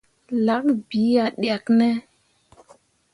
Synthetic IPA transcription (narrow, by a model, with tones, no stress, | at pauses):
la˨˦kbi˨˦ja˨ɗja˨knɛ˦